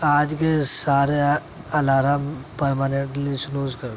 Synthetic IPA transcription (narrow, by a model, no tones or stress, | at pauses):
aːd͡ʒkesaːɾe | ɐlaːɾampɐɾmaːneɳʈlisunuːzkɐɾ